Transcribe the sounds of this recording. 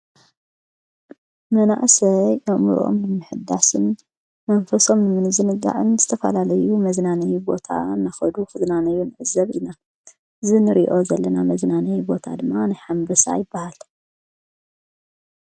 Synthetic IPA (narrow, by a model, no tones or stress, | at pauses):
mɐna̰ʔsɐʔɐʔmɨ̰ɾʔo̰mnɨmɨħɨd̪ːasɨn | mɐɱfɐso̞mɨmɨnɨzɨnɨɡa̰ʕɨnzɨt̪ʰɐfɐ̰lalɐjumɐznanɐjubo̞t̪ʰa̰nːaxɐd̪uxɨznanɐjːunɨʕɨzːɐβʔina | ɨzinɨɾḭʔo̞zɐlːɐnamɐznanɐjbo̞t̪ʰa̰d̪ɨmːanajħambɨsa̰jɪbːahal